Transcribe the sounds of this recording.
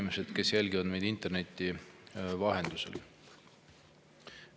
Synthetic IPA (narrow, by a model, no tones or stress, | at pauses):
imese̞d̪̥ke̞sjelɡiod̪me̞jd̪int̪ːˑe̞rne̞t̪ʲːˑivɑɦe̞nd̪usḛl